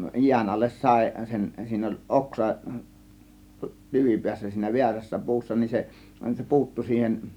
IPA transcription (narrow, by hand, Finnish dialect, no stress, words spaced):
jiæn ɑlːes sɑˑe̝ sen siːn olʲ ʔoksɑ tyʋipiæsːæ siːnæ ʋiæræsːæ pu̞usːɑ nin se se pu̞utːu siːhen